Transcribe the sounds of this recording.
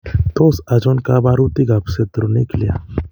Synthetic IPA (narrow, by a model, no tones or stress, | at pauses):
t̪oːsɐd͡ʒoːnkabaːɾut̪iɡaːpset̪ɾoniklija̰ː